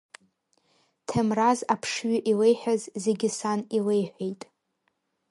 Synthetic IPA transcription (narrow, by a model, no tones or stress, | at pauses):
tʰamrazapʰʂɥʷʏʔile̞jħʷᶣazze̞ɡʲɪsanile̞jħʷᶣejtʼ